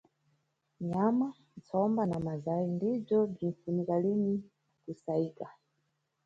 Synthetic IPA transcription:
ɲama | nt͡sɔmbanamazaindib͡ʐɔb͡ʐinfunikalini | kusaiːka

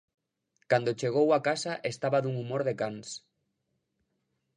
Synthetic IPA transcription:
kand̪ot͡ʃeɣ̞owakasaʔest̪aβaðuŋumoɾðekans

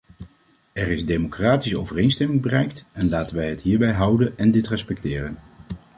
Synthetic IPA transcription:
ɛrɪzdejmokraːtisəo̰wvərejnstɛmɪŋbərɛjktɛnlaːtənʋɛjɦətɦiːɹbɛjɦʌwdənɛndɪtrɛspɛk̚tɪːrən

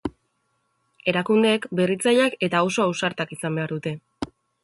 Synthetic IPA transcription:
e̞ɾakund̪e̞ːkbe̞rit͡saʎake̞t̪aawso̞awsaɾt̪akisambe̞aɾðut̪e̞

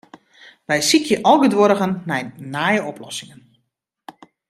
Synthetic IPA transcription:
ʋɛjsikʰjəʔɔlˠɡədʋoɾəɣənːɛjnaːjəɔplɔ̰sɪŋən

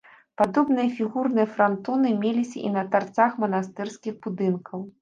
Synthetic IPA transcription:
pad̪ɔbn̪ɨjɐfʲiɣurnɨjɐfɾant̪ɔnɨmʲelʲisʲɐ̰ʔḭnɐt̪art̪saxmɐnast̪ɛrskʲixbud̪ɨnkʰɐw

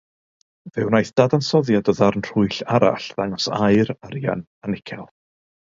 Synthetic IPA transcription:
vɪwnajθd̥adansɔðjadɔðarnr̥ʊɨɬaɾa̰ɬðaŋɔsaɨɾaɾja̰n | anɪkʰɛlˠ

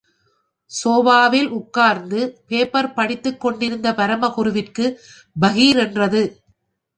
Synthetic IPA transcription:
soːbaːʋɪlʔʊkːaːɾnd̪ɯpeːpɐɾpɐɽɪt̪ːɯkːɔɳɖɪɾɯnd̪ɐpɐɾɐmɐɣʊɾʊʋɪrkɯ | bɐɣiːɾɛndrɐðɯ

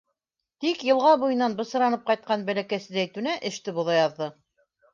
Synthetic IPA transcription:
t̪ikjɤ̆lˠʁɑbujɤ̆nːɑnbɤ̆sɤ̆ɾɑnɤp̚qɑjt̪̚qɑnbælækæsɘ̆ðæjt̪ʉnæʔɘ̆ʃt̪ɘbuðɑjɑðːɤ

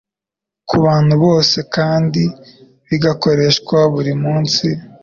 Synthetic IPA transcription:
kuβaːn̥huβo̞ːse̞kaːndi | βiɡako̞ɾe̞ʃkwaβuɾimuːnsi

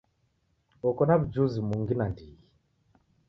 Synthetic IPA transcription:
ɔkɔnaβud͡ʒuzimuŋɡinandiɣi

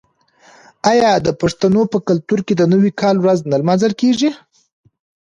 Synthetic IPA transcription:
ɑjɑd̪əpaʂt̪anopəkʊlt̪uɾked̪ənəwikɑlwɾaznalmanzəlkeʐi

